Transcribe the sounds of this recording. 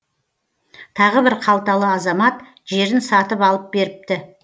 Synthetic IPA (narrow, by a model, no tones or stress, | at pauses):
t̪ʰɑʁəbɪɾqʰɑlˠt̪ɑlˠəɑzɑmɑt̪ | ʒe̞ɾɪnsɑt̪əpɑlˠəp̚be̞ɾɪp̚t̪ɪ